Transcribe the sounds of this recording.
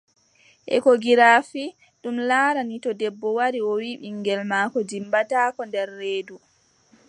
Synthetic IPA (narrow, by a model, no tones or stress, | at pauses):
ʔɛ̰kɔɡiɾaːfi | ɗumlaːɾanitɔdɛbːɔwaɾiɔwiɓiŋɡɛlmaːkɔd͡ʒimbataːkɔndɛɾːeːdu